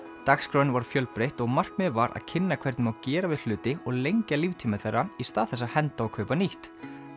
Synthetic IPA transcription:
t̪axskɾownvaɾ̥fjœlpɾejht̪ɔɣmar̥kmɪðvaɾa̰ðcʰɪnːakʰvɛɾt̪nɪmawcɛːɾavɪðl̥ʏːt̪ɪɔɣlejɲcalivt̪ʰiːmɪθerːaist̪aːðθɛs̬ːahɛnt̪aɔkʰœːɥpaniht̪

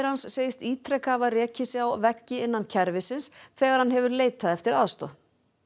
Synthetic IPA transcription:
ɾhansːeːjɪst̪iːt̪ʰɾɛkavarjɛːcɪsjawvɛcːɪɪnːancʰɛɾvɪsɪnsθɛːɣaɾ̥hanɦɛvʏɾleːjt̪aðɛft̪ɪɾaðst̪ɔ̰

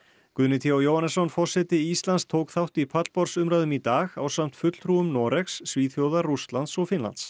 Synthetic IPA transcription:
kʏðnɪt̪ʰiawjowhanːɛsɔnfɔr̥sɛt̪ɪist̪lanst̪ʰoːwkθawht̪ipʰat̪l̥pɔɾsʏmɾaːðʏmit̪aːɣa̰wsam̥t̪fʏt̪l̥t̪ʰɾuʏmnɔːɾɛxsːviːθjowðaɾrust̪lant̪sɔɣfɪnla̰nt̪s

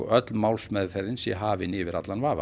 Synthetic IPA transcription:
ɔ̰ʔœt̪lmawlsmɛðfɛɾðɪnsjɛ̰ɦaːvɪnɪvɪɾa̰t̪lanvaːva̰

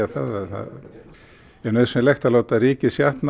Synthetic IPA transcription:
aθaðaðθa̰ð | ɛɾnœðsɛmlɛxt̪aloːwt̪ariːcɪsjaht̪n

